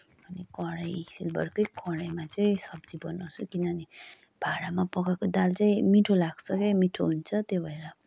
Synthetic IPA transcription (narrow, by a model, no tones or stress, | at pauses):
bʱʌnekʌɾajsilbʌɾkʌjkʌɽajmat͡saĩsʌbd͡zibʌnosukinʌni | b̥ʱaɽamapʌkakod̪alt͡saĩmiʈʰolaɡt͡sʰʌkemiʈʰoɦunt͡sʰʌt̪jobʱʌeɾʌ